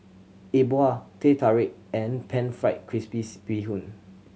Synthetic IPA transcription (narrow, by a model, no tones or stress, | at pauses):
eboatʰetʰaɹek̚ɛ̃npʰɛ̃nfɹaɪt̚kʰɹispisb̥iɦũn